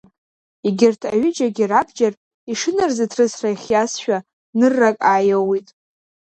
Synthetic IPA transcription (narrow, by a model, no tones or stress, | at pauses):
iɡʲɪrtʰaɥʏd͡ʒaɡʲirabd͡ʒar | iʂɨnɨrzatʰrɨsraiχʲjasʃᶣa | nɨrːakʼajawitʼ